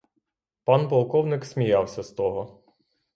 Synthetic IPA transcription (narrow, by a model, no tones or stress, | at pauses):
pɑnpɐlˠkɔwnɪksʲmʲijɑwsʲɐst̪ɔɦɔ